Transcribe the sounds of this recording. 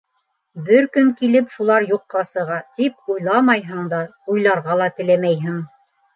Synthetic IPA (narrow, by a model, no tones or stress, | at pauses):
bɘɾkɵŋkilɘpʃulˠɑɾjuqːɑsɤ̆ʁɑt̪ip̚ujlˠɑmɑjɦɤɴd̪ɑujlˠɑɾʁɑlˠɑt̪ɘ̆læmæjɦɘŋ